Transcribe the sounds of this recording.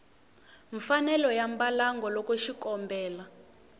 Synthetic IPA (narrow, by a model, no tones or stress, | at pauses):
ɱfanɛlɔjambalaŋɡʱɔlɔkeʃikɔmbʱɛːla